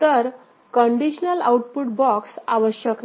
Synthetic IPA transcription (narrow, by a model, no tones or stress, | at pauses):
t̪əɾ | kəɳɖiɕnəlauʈ̚puʈ̚bɔksaʋəɕjəkn